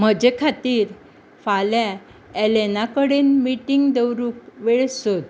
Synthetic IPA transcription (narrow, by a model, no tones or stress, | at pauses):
m̤əd͡ʑekʰat̪iːɾ | falja | elenakəɽenmiʈiŋɡd̪ewɾuːkʋeɭsot̪